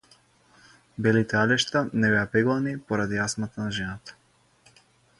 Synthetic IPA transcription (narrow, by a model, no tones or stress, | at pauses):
bɛlit̪ɛalɛʃt̪anɛbɛapɛɡlˠanipɔɾad̪iasmat̪anaʒɛnat̪ḁ